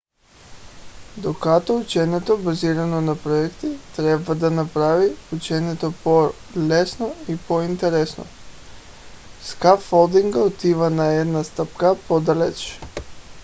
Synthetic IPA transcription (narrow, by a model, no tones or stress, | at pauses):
d̪okat̪out͡ʃenet̪obaziːɾanonapɾojekt̪it̪ɾebad̪anapɾaʋiut͡ʃenet̪opo | lesnoipoint̪eɾesno̰ | skafolˠd̪iŋɡaot̪iʋanajed̪nast̪apkapod̪alḛt͡ʃ